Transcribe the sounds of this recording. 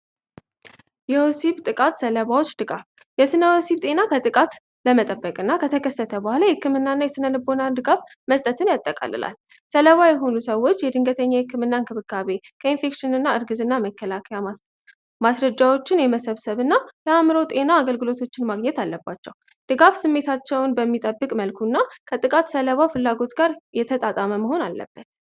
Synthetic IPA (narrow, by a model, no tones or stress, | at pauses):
jɛosibt̪ʼɨkʼat̪sələβawot͡ʃːd̪ɨɡaf | jɛsɨnəwosibt̪ʼe̞nakʰət̪ʼɨkʼat̪ | ləmət̪ʼəbːəkʼɨnːakʰət̪ʰəkʰəsːət̪ʰəbəhʷalahɨkːɨmɨnːanːajɛsɨnəlɨbːo̞nand̪ɨɡaf | məst̪ʼət̪ʰɨnjat̪ʼːəkʼa̰lɨ̰la̰l | sələβajɛɦo̞nusəwːo̞t͡ʃːjɛd̪ɨŋɡət̪ʰəɲːahɨkːɨmɨnːankʰɨβɨkːaβe̞ | kʰəinfe̞kʃɪnɨnːaɨɾɡɨzɨnːaməkːəlakʰəja | masɾəd͡ʒawo̞t͡ʃːɪnjɛməsəβsəβɨnːaləamɨɾo̞t̪ʼe̞naːɡəlɡɨlo̞t̪ʰo̞t͡ʃːɪnmaɡɲɛt̪alːəbat͡ʃːɛ̰w | d̪̥ɨɡafsɨmːe̞t̪ʰat͡ʃːɛwnbəmːit̪ʼəbːɨkʼməlkʰunːakʰət̪ʼɨkʼat̪sələβafɨlːaɡo̞t̪ɡaɾjɛt̪ʰət̪ʼat̪ʼaməməho̞nalːə̰b̥ːət̪